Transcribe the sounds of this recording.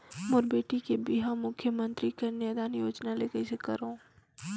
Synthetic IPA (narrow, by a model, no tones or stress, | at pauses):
mʊɾbeːʈikebiɦamʊkʰjəmə̃nt̪ɾikeneːd̪aːnjoːd͡ʒnaleːkəsekɐɾõː